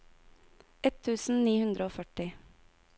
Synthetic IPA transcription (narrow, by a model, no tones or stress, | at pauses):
ɛt̪ʰːʉːsn̩niːhʉnd̪ɾəoːfœʈɪ